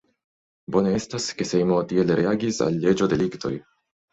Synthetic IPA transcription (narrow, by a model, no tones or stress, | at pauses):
boːneɛst̪askesejmoːt̪ieleɾeaɡisa̰lːeːd͡ʒod̪elikt̪o̰j